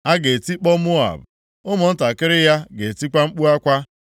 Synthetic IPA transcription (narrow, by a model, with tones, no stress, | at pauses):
a˦ɡe˨ti˦k͡pɔ˦mʊ˦a̰˨b | ʊ˦mʊ˨n̩˦ta˨kɪ˦ɾɪ˦ja˦ɡe˨ti˦kʷa˦ŋ͡m̩˦k͡pu˦a˦kʷa˦